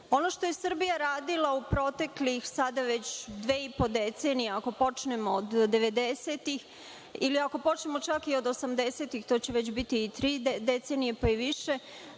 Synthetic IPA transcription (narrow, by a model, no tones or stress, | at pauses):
o̞no̞ʃt̪oje̞sr̩bijaɾaːd̪ilˠaupɾo̞t̪e̞klixsad̪aʋe̞t͡ɕd̪ʋeːipo̞d̪e̞t̪se̞ːnijeako̞po̞t͡ʃnemoːd̪ːe̞ʋe̞d̪ese̞t̪ix | iliako̞po̞t͡ʃnemo̞t͡ʃakio̞d̪osamd̪ese̞ːt̪ixt̪o̞ːt͡ɕe̞ʋe̞t͡ɕbit̪iːt̪ɾiːd̪e̞t̪se̞nijepaiʋiʃe̞